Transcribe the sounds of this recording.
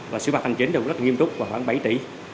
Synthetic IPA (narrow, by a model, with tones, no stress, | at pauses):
vaː˨˩sɨ̰˧˦ɓaː˨˩t̚ʰa˧ŋ̟t͡ɕi˨˦nɨ˨˩˨ŋ͡mz̚lŋi˧mt̪ʊ˦˥k͡p̚vaː˨˩xwaː˧˩ŋɓa˧˩˦jt͡ɕ̪ḭ˧˩